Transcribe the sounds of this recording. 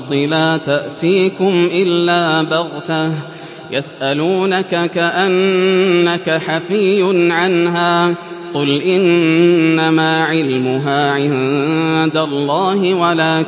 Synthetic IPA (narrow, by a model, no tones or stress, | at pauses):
d̪ˤilaːt̪aʔt̪iːkʊmʔɪlːaːbɑɣt̪ah | jasʔaluːnakakaʔanː | akaħafɪjːʊnʕanɦaːqʊlʔɪnː | amaːʕɪlmʊɦaːʕɪ | d̪alˤːɑːɦɪwalaː